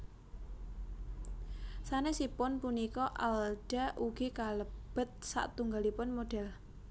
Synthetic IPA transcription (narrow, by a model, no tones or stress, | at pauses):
sanesipʊnpunikɔʔalɖ̥a̤ʔuɡ̥ikaləb̥ət̪̚sa̰ʔt̪uŋɡalipʊnmoɖ̥ɛ̤l